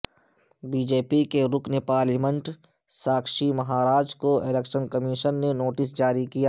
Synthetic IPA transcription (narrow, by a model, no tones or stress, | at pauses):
biːd͡ʒeːpikeɾʊknepaːɾlimə̃ɳʈsaːkʃimɐɦaːɾaːd͡ʒkoelekʃənkɐmiʃənːenoːʈɪsd͡ʒaːɾikijaː